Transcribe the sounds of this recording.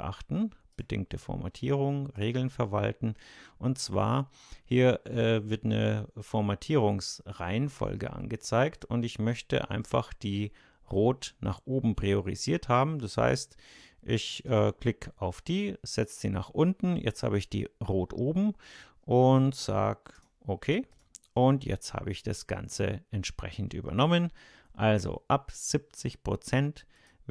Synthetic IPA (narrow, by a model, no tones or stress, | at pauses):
ʔa̰χtn̩b̥ədɪ̰ŋk̚təfɔ̰ɐma̰tʰiːʁʊŋʁeːɡl̩nfɛɐva̰ltn̩ʔʊntt͡sv̥a̰ːɐhiːɐɛːvɪɐtnə̰fɔɐmatʰiːʁ̞ʊŋsʁaɪənfɔ̰lɡə̰ʔa̰nɡət͡saɪktʊntɪçmœçtə̰ʔa̰ɪnfaχd̥iː | ʁoːtnaːχʔoːbm̩pʁ̥ioʁ̞ḭziːɐthaːbm̩d̥asha̰ɪstʔɪçʔɛːkl̥ɪkaʊfd̥iːz̥ɛt͡səz̥iːnaːχʔʊntn̩jɛ̰t͡stha̰ːbəɪçd̥ḭːʁoːtʔoːbm̩ | ʔʊntz̥a̰ːk | ʔokʰeː | ʔʊntjɛ̰t͡stha̰ːbəɪçd̥asɡ̥a̰nt͡sə̰ʔɛntʃpʁ̥ɛçn̩tʔy̰ːbɐ̰nɔmən | ʔalzo̰ʔapz̥ɪp̚t͡sɪçpʁ̥ot͡sɛnt